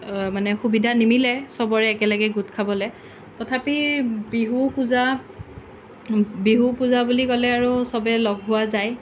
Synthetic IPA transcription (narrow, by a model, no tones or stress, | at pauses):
manɛxubidʱanimilɛsɔbɔɹɛːkɛlaɡɛɡut̚kʰabɔlɛ | tɔtʰapibiɦupuza | biɦupuzabulikɔlɛaɹusɔbɛlɔɡ̚ɦʊwazaj